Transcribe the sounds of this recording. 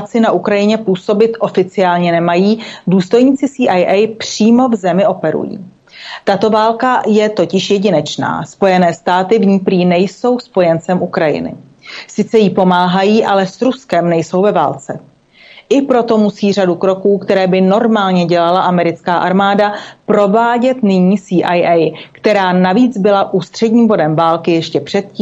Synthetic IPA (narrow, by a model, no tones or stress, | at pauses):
t͡sɪnaʔukɾajɪɲɛpuːso̞bɪt̪ʔo̞fɪt͡sɪaːlɲɛnɛmajiːduːst̪o̞jɲiːt͡sɪsiːʔajʔɛjpr̥iːmo̞vzɛmɪʔo̞pɛɾṵjḭː | t̪at̪o̞vaːlkajɛt̪o̞cɪʃjɛɟɪnɛt͡ʃna̰ːspo̞jɛnɛːst̪aːt̪ɪvɲiːpɾiːnɛjso̞wspo̞jɛnt͡sɛmʔukɾajɪ̰nɪ̰ | sɪt͡sɛjipo̞maːɦajiːʔalɛsɾuskɛmnɛjso̞wvɛvaːlt͡sɛ | ʔɪpɾo̞t̪o̞musiːr̝adukɾo̞kuːkt̪ɛɾɛːbɪno̞ɾmaːlɲɛɟɛlalaʔamɛɾɪt͡skaːʔaɾmaːdapɾo̞vaːɟɛt̪nɪɲiːsiːʔajʔɛjkt̪ɛɾaːnaviːd͡zbɪlaʔuːst̪r̥ɛɟɲiːmbo̞dɛmvaːlkɪjɛʃcɛpr̥ɛt̪̚ciː